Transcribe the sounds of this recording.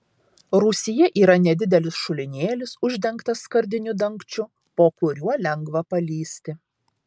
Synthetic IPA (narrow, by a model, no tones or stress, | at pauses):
ɾʊsʲɪjɛʔiːɾɐnʲɛd̪ʲɪd̪ʲɛlʲɪsʃʊlʲɪnʲeːlʲɪsʊʒʲd̪ʲɛŋkt̪ɐskɐɾʲd̪ʲɪnʲʊd̪ɐŋˑkt͡ʃʲʊ | poːkʊɾʲuɔlʲɛŋɡʋɐpɐlʲiːsʲt̪ʲɪ